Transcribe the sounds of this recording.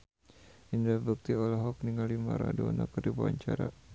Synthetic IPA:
ʔindɛbuk̚t̪iɔlaɦɔk̚niŋalima̰ɾadonakərdibaa̰ɲt͡ʃaɾa̰

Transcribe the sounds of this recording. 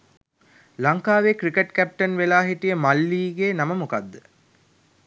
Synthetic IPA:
lɐŋkaːʋekɾikeʈkæp̚ʈɐnʋelaːɦiʈijəmɐlːiːɡeːnɐməmukad̪ːə

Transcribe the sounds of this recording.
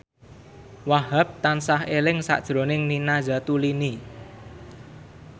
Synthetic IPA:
waɦap̚t̪ansahelɪŋsa̰ʔd̥ʒ̥ɾonɪŋninaza̤t̪ulini

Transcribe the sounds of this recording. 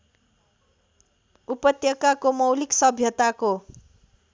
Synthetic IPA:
upʌt̪jʌkakomʌwliksʌbʱjʌt̪ako

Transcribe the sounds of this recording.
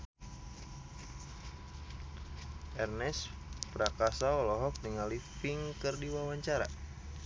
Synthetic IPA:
ʔɛrnɛspɾakasaɔlɔɦɔk̚niŋalifiŋkɨrdiwawaɲt͡ʃaɾa̰

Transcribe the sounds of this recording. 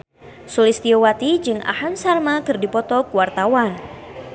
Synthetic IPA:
sulist̪iowat̪id͡ʒɨŋʔa̰hansarmakɨrdipɔt̪ɔkuwart̪awan

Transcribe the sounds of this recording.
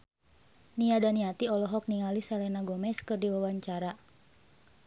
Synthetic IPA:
niadaniat̪iɔlɔɦɔk̚niŋalisalɛnaɡɔmɛskɨrdiwawaɲt͡ʃaɾa

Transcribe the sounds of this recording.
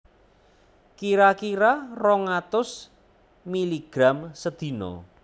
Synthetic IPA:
kiɾakiɾarɔŋat̪ʊs | miliɡ̥ɾamsəd̪̥i̤nɔ̰

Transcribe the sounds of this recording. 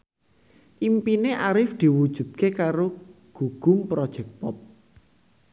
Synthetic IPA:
ʔimpineʔaɾɪfd̪̥i̤wud̥ʒ̥ṳd̪̥̚kekaɾo | ɡ̥uɡ̥ʊ̤mpɾɔd̥ʒ̥ɛk̚pɔp̚

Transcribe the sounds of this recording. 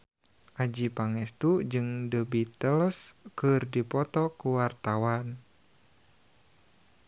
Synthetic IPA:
ʔad͡ʒipaŋɛst̪ud͡ʒɨŋdəbit̪əlskɨrdipɔt̪ɔkuwart̪awan

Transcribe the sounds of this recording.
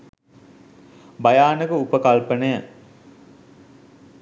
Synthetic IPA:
bɐjaːnəɡəupəkalpənəjə

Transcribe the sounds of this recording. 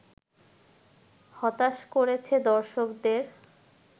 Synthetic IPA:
hɔt̪aʃkoɾet͡ɕʰed̪ɔɾʃokd̪eɾ

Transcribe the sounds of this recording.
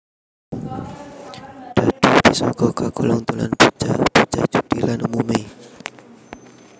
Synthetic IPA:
d̥ad̥idisɔkɔkakɔlɔŋt̪ula̰nbut͡ʃab̥ut͡ʃad͡ʒud̥ilanumumi

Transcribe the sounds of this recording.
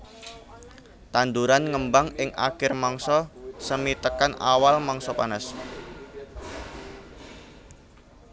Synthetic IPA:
t̪and̪uɾanŋəmbaŋɪŋʔa̰kɪrmaŋsɔsəmit̪əkana̰walmaŋsɔpanəs

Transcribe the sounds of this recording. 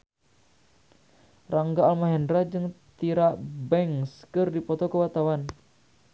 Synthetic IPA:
raŋɡaːlmaɦɛndɾad͡ʒɨŋt̪iɾabɛŋskɨrdipɔt̪ɔkəwat̪awan

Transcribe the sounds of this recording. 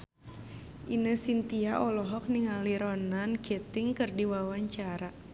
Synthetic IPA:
ʔinəsint̪iaʔɔlɔɦɔk̚niŋaliɾɔnankɛt̪ɪŋkɨrdiwawaɲt͡ʃaɾa

